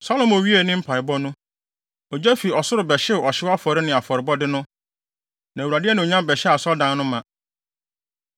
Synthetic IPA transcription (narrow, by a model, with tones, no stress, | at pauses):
sa˦lɔ̃˨mɔ˨ɥi˦e˨nɪ̃˦m̩˦pʰa˨ɪ˨bɔ˦nʊ̃˦ | ɔ˨d͡ʑɛ˦fi˨ɔ˨sʊ˦ɾʊ˨bɛ˨ɕɪ˦˨ɔ˨ɕɪ˦wa˦fɔ˨ɾɪ˦nɪ̃˨a˨fɔ˨ɾɪ˨bɔ˦dɪ˦nʊ̃˦ | nã˨u˨a˨dɪ˦ɛ˦nɪ̃˨ɲã˦bɛ˨ɕɪ˦a˨sɔ˦dã˦n˦nʊ̃˦mːã˨